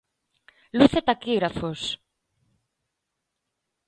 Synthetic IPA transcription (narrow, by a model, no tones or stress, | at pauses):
luθet̪akiɣɾafos